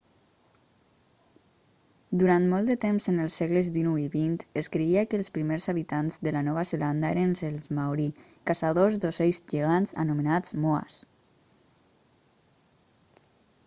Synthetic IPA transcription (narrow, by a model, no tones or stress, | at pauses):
d̪uɾant̪mɔlˠt̪d̪ət̪emzənəlˠsːeɣləzðinuiβint̪eskɾeiakəlˠspɾimeɾzaβit̪anzðəlanɔβazəland̪aeɾənselzmawɾi | kasaðozd̪osejzʒeɣ̞anza̰numenad͡zmoa̰s